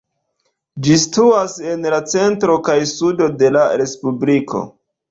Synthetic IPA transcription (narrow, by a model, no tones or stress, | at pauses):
d͡ʒistuase̞nlat͡se̞ntɾo̞kajsudo̞de̞laɾe̞spublikʰo̞̰